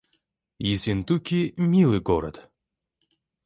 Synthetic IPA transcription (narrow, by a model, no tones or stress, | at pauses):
jisʲint̪ukʲimʲilˠɨɡɔɾɐ̰t̪